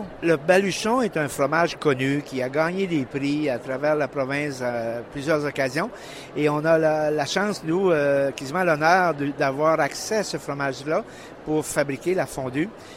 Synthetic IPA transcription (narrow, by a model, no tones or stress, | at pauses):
ləbalyʃɔ̃ɛt̪ɛ̃fʁɔmaʒkɔnykʲiaɡɑːɲed̪epʁiat̪ʁavɛːʁlapʁɔvɛ̃saplyzjœːʁzɔkazjɔ̃ | eɔ̃nalalaʃɑ̃snuøkʲezivmɑ̃lɔnœːʁd̪əd̪avwaːʁaksɛasəfʁɔmaʒla | puʁfabʁikʲelafɔ̃d̪y